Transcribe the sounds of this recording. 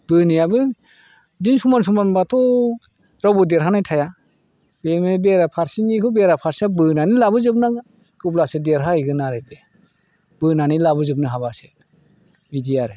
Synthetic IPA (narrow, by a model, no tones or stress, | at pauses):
b̥ɯnijabɯ | dinsumans̬umanbatʰɔ | ɾawbɯdeɾɦanajtʰaja | bemebeɾapʰaɾsinikʰɯbeɾapʰaɾsabɯnanilabɯzɯp̚naɡ | kɯblasɯdeɾɦaiɡɯnaɾɯbe | b̥ɯnanilabɯzɯp̚nɯɦabase | bidijaɾɯ